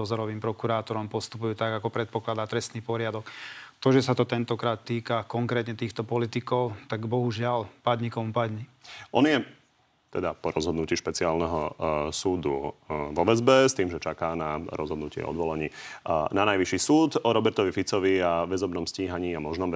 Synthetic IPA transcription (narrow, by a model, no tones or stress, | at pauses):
ɔzɔɾɔʋiːmpɾɔkuɾaːt̪ɔɾɔmpɔst̪upujuːt̪aɡakɔpɾɛt̪̚pɔklad̪aːt̪ɾɛst̪niːpɔɾɪad̪ɔkt̪ɔʒɛsat̪ɔt̪ɛnt̪ɔkɾaːt̪ːiːkakɔŋkɾɛːt̪ɲɛt̪iːxt̪ɔpɔlit̪ikɔʊt̪aɡbɔɦuʒɪalpad̪ɲikɔmpad̪ɲi | ʔɔnɪjɛ | t̪ɛd̪apɔɾɔzɦɔd̪nuciːʃpɛt͡siaːlnɛɦɔsuːd̪uvɔʋɛzbɛst̪iːmʒɛt͡ʃakaːnaɾɔ̰zɦɔd̪nucɪɛ̰ɔ̰d̪ʋɔlaɲiːnanajʋiʃisuːt̪ɔɾɔbɛɾt̪ɔʋifit͡sɔʋiaʋɛzɔbnɔmsciːɦaɲiːamɔʒnɔm